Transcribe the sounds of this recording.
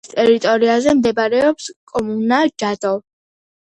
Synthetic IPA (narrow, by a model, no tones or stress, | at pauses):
t̪ʼɛɾit̪ʼɔɾiazɛmd̪ɛbɾɛɔpskʼɔmunad͡ʒad̪ɔ